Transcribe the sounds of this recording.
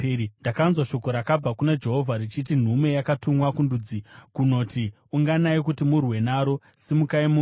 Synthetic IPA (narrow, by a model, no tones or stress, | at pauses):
indakanzwaʃo̞ko̞ɾakab͡vakunad͡ʒe̞ɦo̞vʱaɾit͡ʃit̬in̤ume̞jakatumwakundud͡zikuno̞ːti | uŋɡanaikutimurwe̞naɾo̞ | simukaimu